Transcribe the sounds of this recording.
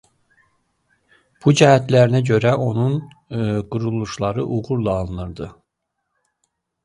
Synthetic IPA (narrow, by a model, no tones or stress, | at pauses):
b̥ud͡ʒæɦæt̪læɾinæɟø̞ɾæʔo̞nun | ɡuɾulˠuʃlˠɑɾɯʔuʁuɾlˠɑːlˠɯnɯɾd̪ɯ